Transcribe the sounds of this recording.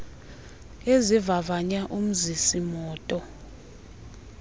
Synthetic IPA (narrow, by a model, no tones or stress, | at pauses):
ezivavaɲaʔum̩zisimɔːtʼɔ